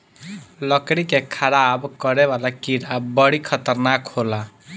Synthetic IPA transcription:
ləkɽikekʰəɾabkʌɾebalakiɾabʌɽikʰət̪əɾnakhola

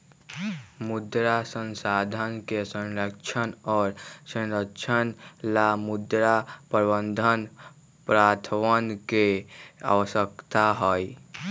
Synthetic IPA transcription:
mud̪ɾasənsad̪ʱənkesənɾəkt͡ʃʰənɔːɾsə̃nɾəkt͡ʃʰənlamud̪ɾapəɾbənd̪ʱən | pɾat̪ʰʋənkea̰wəsəkt̪aɦɔj

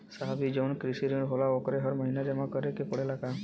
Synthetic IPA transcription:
saɦabid͡ʒɔwnkɾisiɾiuɳɖɦolaɔkɔɾɛɦɔɾmɔɦinad͡ʒamakɔɾɛkepɔɽelaɡa

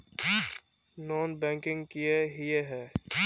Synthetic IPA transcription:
nɔːnbɛ̃ːŋkɪ̃ŋɡkieɦieɦɛː

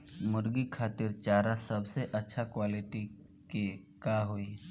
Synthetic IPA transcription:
mʊɾɡikʰaːt̪ɪɾt͡ʃaːɾasɐbseʔɐtːʃʰakwaːlɪʈi | ke | kaːɦoiː

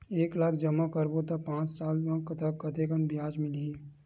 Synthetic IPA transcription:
eːklaːkʰd͡ʒəmːakəɾbot̪ɐpãːt͡ʃsaːlmãkt̪əkɐt̪ekənbɪjaːd͡ʒmɪliĩ

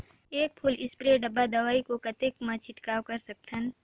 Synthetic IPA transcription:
eːk̚pʰʊlɪspɾeɖɐbːad̪ɐʋaːikokɐt̪ekmɐ̃t͡ʃʰɪʈkaːwkɐɾsɐk̚t̪ʰən

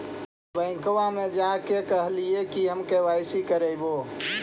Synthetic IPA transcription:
bə̃ɪ̃ŋkʋãmẽd͡ʒakekəɦliekiɦəmkeʋaːɪsikəɾeɪbo

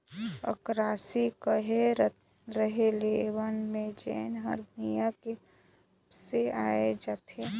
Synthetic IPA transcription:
ə̰kɾaːsikəɦe | ɾəɦelewənmẽd͡ʒḛːnɦəɾbnijake | seaːed͡ʒat̪ʰe

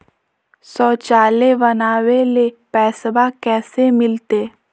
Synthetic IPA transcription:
sɔːt͡ʃaːlebɐnaːwelepɛːsbakɛːsemɪlt̪eː

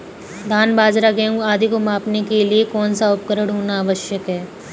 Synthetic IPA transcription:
d̪ʱaːnbaːd͡ʒɾaɡeũaːd̪ikomaːpnekeliekɔːnsaʊp̚kəɾəɽɦoːnaɐʋəʃjəkɦɛː

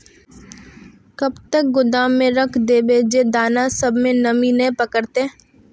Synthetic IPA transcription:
kɐbt̪ək̚ɡʊd̪aːmːẽɾɐkʰd̪eːbeːd͡ʒed̪aːnasɐbmẽnɐmĩnẽpəkəɾt̪eː

